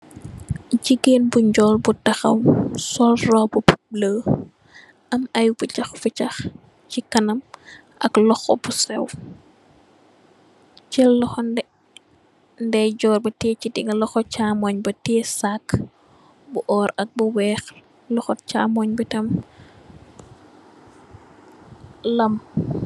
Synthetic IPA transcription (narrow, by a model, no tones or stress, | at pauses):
ɟiɡeːnbuɲɟɔːlbutɐxɐ̰wsɔlrɔːbupuləː | ʔɐmɐjubucɐxfucɐx | cikɐnɐm | ʔɐklɔxɔ̰busɛ̰w | t͡ʃɛlːɔxɔndɛ | ndɛɟɔːrbɐtɛːcidiŋɡɐlɔxɔt͡ʃaːmɔɲbɐtɛːsakː | buʔɔːɾɐk̚buwɛːx | lɔxɔcaːmɔɲbitɐm | lɐm